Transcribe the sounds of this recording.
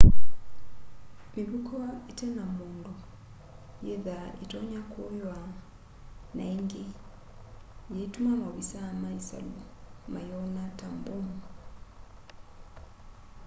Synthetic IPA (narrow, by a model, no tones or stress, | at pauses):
miβukʰoitenamuːndu | jeðaḭtoɲakʰojwa | na̰iŋɡi | jeitumaŋoβisamaisa̰lumajonatambum